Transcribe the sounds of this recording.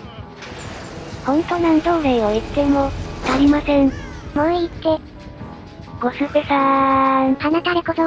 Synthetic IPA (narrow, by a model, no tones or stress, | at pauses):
hõ̞nt̪onant̪oːɾeiβait̪ːemoaɾʲimasẽ̞nmoit̪ːe̞ | ɡ̥osɨbesa | hanat̪aɾekoso